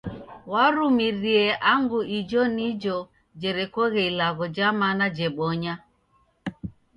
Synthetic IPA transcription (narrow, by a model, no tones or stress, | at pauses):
waɾumiɾiɛʔaŋɡuid͡ʒɔnid͡ʒɔ | d͡ʒɛɾɛkɔɣɛilaɣɔd͡ʒamanad͡ʒɛɓɔɲa